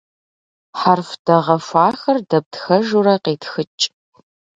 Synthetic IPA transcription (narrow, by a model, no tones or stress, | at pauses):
ħarfd̥ɐʁɐfʷaːxɐrdɐp̚txɐʒuɾɐqeːtxɨt͡ʃʼ